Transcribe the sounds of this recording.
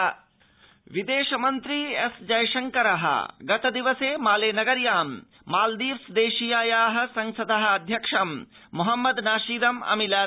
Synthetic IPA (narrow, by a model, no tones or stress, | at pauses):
ʋid̪eːʃɐmɐnt̪ɾiesd͡ʒɐjʃɐŋkɐɾɐɦɐ̰ɡɐt̪ɐd̪iʋɐseːmaːleːnɐɡɐɾjaːmː | aːld̪iːʋsd̪eːʃijaːjaːɦɐ̆sɐŋsɐd̪ɐɦɐɐd̪ʱjɐkʂɐmːuɦɐmːɐd̪naːʃiːd̪ɐmɐ̰milaː